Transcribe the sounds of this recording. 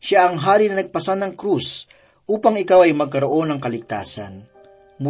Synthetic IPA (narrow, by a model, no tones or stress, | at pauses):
ʃaʔɐŋɦaːɾinɐnɐɡ̚pɐsanɐŋkɾus | ʔuːpɐŋɪkawɐjmɐɡ̚kɐɾoʔo̞nɐŋkɐlɪɡ̚t̪a̰ːsɐ̰n | m